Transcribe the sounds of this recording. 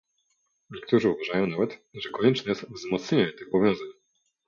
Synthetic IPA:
ɲɛk̚t̪uʐɘuvaʐajɔ̃w̃navɛt̪ʐɛkɔɲɛt͡ʂnɛjɛst̪vzmɔt̪sɲeɲɲɛt̪ɘxɔbɔvʲjɔ̃w̃zaɲ

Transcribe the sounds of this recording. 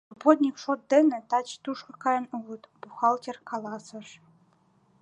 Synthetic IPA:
obot̪ʲnʲikʂot̪̚d̪ɘ̆nɘ̆t̪ɑt͡ɕt̪uʂkɤ̆kɑjɤ̆nuʁɤ̆t̪b̥uxɑlˠtʲerkʰɑlˠɑsɤ̆ʂ

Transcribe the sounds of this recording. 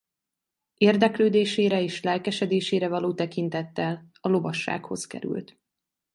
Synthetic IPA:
eːrd̪ɛkløːd̪eːʃeːɾɛeːʃlɛlkɛʃɛd̪eːʃeːɾɛvɒloːt̪ɛkint̪ɛt̪ːɛl | ɒlo̞vɒʃːa̰ːkho̞skɛ̰ɾy̰lt̪

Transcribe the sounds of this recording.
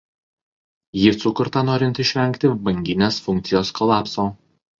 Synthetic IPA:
jisʊkʊɾt̪ɐnoːɾʲɪnt̪ɪʃʲʋʲɛŋʲkt̪ʲɪbɐŋʲɡʲɪnʲeːsfʊŋʲkt̪sʲɪjoːskʰɔlˠɑːpsoː

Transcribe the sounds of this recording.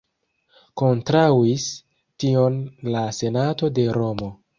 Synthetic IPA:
ko̞ntɾawis | tio̞nlase̞nato̞de̞ɾo̞mo

